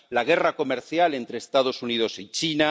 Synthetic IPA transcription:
laɣ̞e̞rako̞meɾθjale̞nt̪ɾeːst̪að̞o̞sunið̞o̞sit͡ʃina

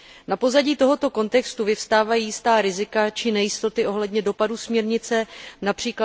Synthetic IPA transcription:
napo̞zaɟiːt̪o̞ɦo̞t̪o̞ko̞nt̪ɛkst̪uvɪfst̪aːvajiːjɪst̪aːɾɪzɪkat͡ʃɪnɛjɪst̪o̞t̪ɪʔo̞ɦlɛdɲɛdo̞padusmɲɛɾɲɪt͡sɛnapr̥iːkla

